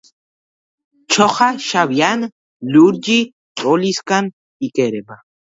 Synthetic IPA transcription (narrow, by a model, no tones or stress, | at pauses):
t͡ʃʰoχaʃaβjan | luɾd͡ʒi | oliskan | ikeɾeba